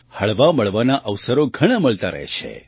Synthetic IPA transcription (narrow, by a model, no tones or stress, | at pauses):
həɭʋaməɭʋanaʔəʋsəɾoɡʱəɽ̃aməɭt̪aɾə̰ɦḛt͡ʃʰḛ